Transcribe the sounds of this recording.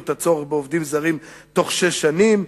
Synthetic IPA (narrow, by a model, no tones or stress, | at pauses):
t̪at͡so̞ʁeχbeovd̪imzaʁim | t̪o̞χʃeʃːanim